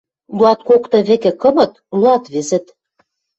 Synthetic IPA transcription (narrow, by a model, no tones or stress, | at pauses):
luɑt̪̚kokt̪ɤ̆βĕkĕkɤ̆mɤ̆t̪̚luɑt̪βezɘ̆t̪